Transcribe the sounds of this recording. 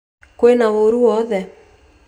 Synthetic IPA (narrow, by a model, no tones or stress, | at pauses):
kwenaoɾuwɔðɛ